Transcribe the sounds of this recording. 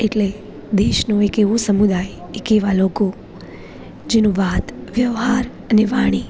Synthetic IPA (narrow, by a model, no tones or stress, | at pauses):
eʈle | d̪eʃnoekeʋosəmud̪aj | ekeʋaloko | d͡ʒenũʋat̪ʋjəʋɦaɾ | əneʋaɽ̃i